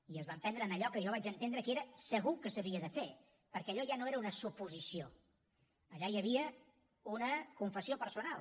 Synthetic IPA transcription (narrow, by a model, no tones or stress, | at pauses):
iəzβampɛnd̪ɾəːnəʎɔkəʒɔβad͡ʒənt̪end̪ɾəkeɾəsəɣukəsəβiəðəfe | pəɾkɛəʎɔʒanoeɾəunəsupuzisio | əʎajəβiə | unəkuɱfəsiopəɾsunal